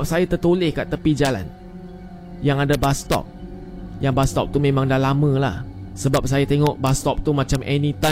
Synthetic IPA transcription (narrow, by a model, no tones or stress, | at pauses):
p̚sajat̪ərt̪ulɪhkaʔt̪əpid͡ʒala̰n | jaŋadabast̪ɔ̰p̚ | jaŋbast̪ɔp̚t̪umẽmãŋdalamə̃lahsəbap̚sajat̪eŋɔʔbast̪ɔp̚t̪umãt͡ʃamʔɛnĩt̪ã